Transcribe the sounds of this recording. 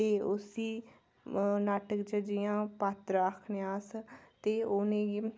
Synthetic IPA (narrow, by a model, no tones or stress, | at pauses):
t̪eːʊsiː | naːʈəkd͡ʒəd͡ʒijãːpaːt̪ɾəkʰnjaːst̪eːʊnẽː